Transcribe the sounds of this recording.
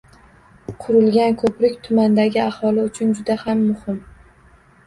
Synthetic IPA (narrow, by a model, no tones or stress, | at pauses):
qʰʊɾɪlˠɡʲankʰɵpɾɪkʲt̪ʰʊmand̪aɡʲɪahɒlɪʊt͡ʃʰʊnd͡ʒʊd̪ahamːʊhɪm